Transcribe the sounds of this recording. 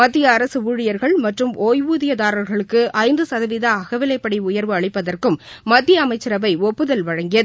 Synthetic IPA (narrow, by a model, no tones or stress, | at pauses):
mɐd̪ːɪjɐːɾɐsɯʋuːɻɪjɐɾɣɐɭmɐʈrɯmoːjʋuːðɪjɐðaːɾɐɾɣɐɭɯkːɯʔɐɪnd̪ɯsɐðɐʋɪðɐːɣɐʋɪlɐɪpːɐɽiʊjɐɾʋɯɐɭɪpːɐðɐrkɯmː | ɐd̪ːɪjɐːmɐɪt͡ʃːɪɾɐbɐɪɔpːɯðɐlʋɐɻɐŋɡɪjɐðɯ